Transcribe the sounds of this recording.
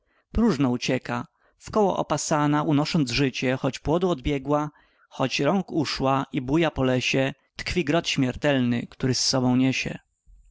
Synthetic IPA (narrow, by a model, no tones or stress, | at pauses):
pɾuʐnɔut͡ɕɛka | fkɔwɔ̰ʔɔ̰pasanaʔunɔʂɔnd̪zʐɘt͡ɕɛxɔd͡ʑpwɔd̪uɔd̪bʲjɛɡwa | xɔt͡ɕɾɔŋkuʂwaʔibujapɔlɛɕɛ | t̪kfʲiɡɾɔt̪ɕmʲjɛɾt̪ɛlnɘ̰kt̪uɾɘsːɔbɔ̃w̃ɲɛɕɛ̰